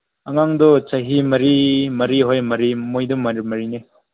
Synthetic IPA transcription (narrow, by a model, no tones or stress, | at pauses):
ɐŋaŋdɔt͡ʃɐɦimɐɾimɐɾiɦojmɐɾimojdɔmɐɾmɐɾine